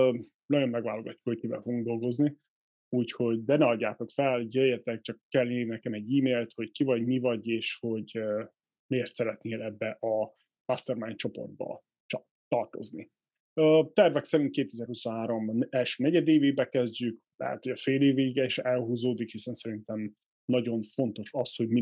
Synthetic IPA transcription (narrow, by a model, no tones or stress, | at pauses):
nɒjo̞mːɛɡvaːloɡɒcːukhockibɛ̰foɡuŋɡ̚d̪o̞lɡo̞zni | uːcho̞ɟd̪ɛnɛɒɟːaːt̪o̞kfɛlɟɛjɛt̪ɛk̚t͡ʃɒkːɛlneːɾnɛkɛmɛɟːiːmeːlt̪ho̞ckivɒɟmivɒɟeːʃho̞ɟø | meːrt̪sɛɾɛt̪neːlɛbːɛʔɒ | mast̪ɛrmajnt͡ʃo̞po̰rd̪̚bɒ̰ | t̪ɒrt̪o̞̰znḭ | øːt̪ɛrvɛksɛɾint̪̚keːt̪ɛzɛɾhuso̞nɦaːɾo̞mɛlʃø̥ːnɛɟɛd̪eːveːbɛkɛzɟyk | lɛ̰ɦɛ̰t̪hoɟɒfeːleːveːɡɛeʃɛlɦuːzoːd̪ikhisɛnsɛɾint̪ɛm | nɒɟo̞ɱfo̞nt̪o̞ʃɒsho̞ɟm